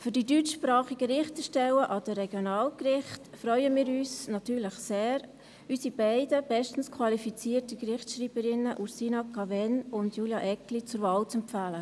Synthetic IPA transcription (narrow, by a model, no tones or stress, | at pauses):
fyɾd̥idytʃpɾɑːχiɡəɾɪχtəʃtɛwəʔɑd̥əɾɛɡjonɑːlkrɪχtfɾœʏəmiːɾyːsnɑtyːɾləχseːɾ | ysibæɪdəb̥ɛʃtən̩skʰwɑlifit͡siːtəkrɪχtʃɾiːb̥əɾɪnəʔuɾsiːnɑkʰɑvɛnʊndjuːljɑʔɛklit͡sʊɾvɑːlt͡sɛmpfæːlə